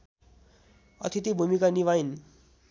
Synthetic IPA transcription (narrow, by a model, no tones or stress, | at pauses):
ʌ̰t̪ʰit̪ibʱumikaniʋajn